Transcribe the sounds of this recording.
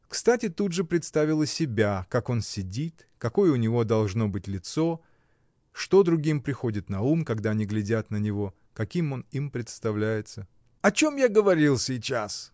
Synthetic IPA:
kst̪atʲɪt̪ud̪ʐɨpɾʲɪt̪st̪avʲɪlˠəsʲɪbʲakako̞nsʲɪdʲit̪ | kɐko̞jəʊnʲɪvo̞d̪ɐlˠʐno̞bɨtʲlʲɪt̪so̞ | ʂt̪o̞d̪ɾʊɡʲimpɾʲɪxo̞dʲɪt̪nɐumkɐɡd̪aɐnʲiɡlʲɪdʲat̪nənʲɪvo̞ | kɐkʲimo̞nimpɾʲɪt̪st̪ɐvlʲæjɪt̪sə | ɐt͡ɕo̞mjaɡəvɐɾʲilˠsʲit͡ɕas

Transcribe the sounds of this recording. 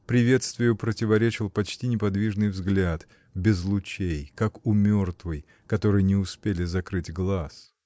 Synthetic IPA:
pɾʲɪvʲe̞t̪st̪vʲɪjʊpɾətʲɪvɐɾʲet͡ɕɪlˠpɐt͡ɕtʲinʲɪpɐd̪vʲiʐnɨjvzɡlʲat̪ | bʲɪzlˠʊt͡ɕejkakʊmʲo̞rt̪vɨj | kɐt̪o̞ɾɨjənʲɪʊspʲelʲɪzɐkɾɨtʲɡlˠas

